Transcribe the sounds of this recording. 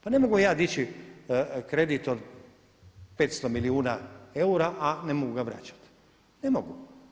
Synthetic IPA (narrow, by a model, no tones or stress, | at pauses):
pane̞mo̞ɡujaːd̪it͡ɕi | kɾe̞d̪it̪od̪ | pet̪st̪omiliuːnae̞uɾaʔane̞moɡuɡaʋɾa̰ːt͡ɕḁt̪ | ne̞moɡu